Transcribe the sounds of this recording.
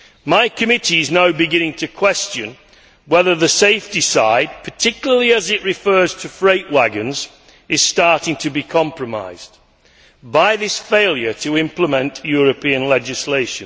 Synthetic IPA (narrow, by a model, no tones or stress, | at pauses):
maɪkʰɨmɪɾiɨznaʊbɨɡɪ̃ñɪ̃ŋtʰɨkʰw̥ɛst͡ʃɨ̃n | wɛðə˞ðɨseɪfdisaɪd̚pʰə˞tʰɪkjl̩ˠəliɨzɪʔɹɨfɜ˞z̥tʰɨfɹeɪʔwaɡɨ̃nz | ɨz̥stɑɹɾɪ̃ŋtʰɨbikʰɑ̃mpɹəma̰ɪz | baɪðɪsfeɪlˠjə˞tʰəɪ̃mpləmɛ̃nʔjɔɹɨpʰiɨ̃nlɛd͡ʒɪsleɪʃɨ̃n